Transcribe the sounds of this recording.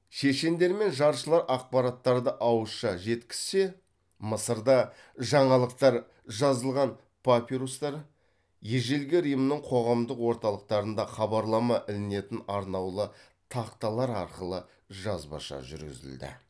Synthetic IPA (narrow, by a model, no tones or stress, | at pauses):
ʃe̞ʃe̞nd̪e̞ɾme̞nʒɑɾʃəlˠɑɾʔɑq̚pɑɾɑt̪ːɑɾd̪əʔɑwəsʃɑʒe̞t̪kʲɪ̥z̥se̞ | məsəɾd̪ɑ | ʒɑɴɑlˠəq̚t̪ɑɾ | ʒɑzəlˠʁɑn | pʰapʲiɾost̪ɑɾ | je̞ʒe̞lɡʲeɾəjəmnəɴqʰo̞ʁɑmd̪əqwo̞ɾt̪ɑlˠəq̚t̪ɑɾənd̪ɑχɑbɑɾlˠɑmɑʔɪlɪne̞t̪ɪnɑɾnɑwlˠə | t̪ʰɑqt̪ɑlˠɑɾɑɾqəlˠə | ʒɑzbɑ̰ʃɑ̰ʒʏ̰ɾɡʲɪ̰zɪ̰ld̪ɪ̰